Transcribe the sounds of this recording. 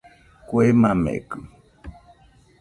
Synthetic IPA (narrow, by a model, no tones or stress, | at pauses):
kwemamḛkɨ